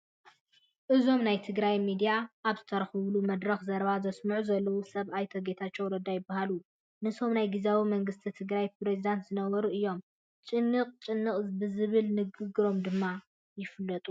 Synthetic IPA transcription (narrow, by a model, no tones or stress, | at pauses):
ʔɨzo̞mnajt̪ʰɨɡɾajmid̪ijaʔːβzɨt̪ʰɐɾɐxɨβlumɐd̪ɾɐxzɐɾβazɐsmɨʕuzɐlːɐwusɐβajt̪ʰoɡe̞t̪ʰat͡ʃːɛwɾɐd̪ajɪbːahalu | nɨso̞mnajɡizawimɐŋɡɨst̪ʰit̪ʰɨɡɾajpɾezid̪ant̪zɨnɐβɐɾuʔɨjːo̞m | t͡ʃʼɨnːɨqʼt͡ʃʼɨnːɨχʼbɨzɨβɨlnɨɡɨɡɾo̞md̪ɨmːa | jɪflːɐt̪ʼu